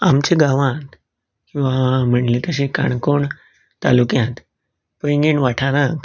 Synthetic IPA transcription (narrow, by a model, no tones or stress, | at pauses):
amt͡ɕeɡaʋãt̪ | kĩw̃ʋam̤əɳlet̪əɕẽka̰ɳ̃koɳ | t̪a̰lukjãt̪ | pəjŋɡinʋaʈʰaɾãk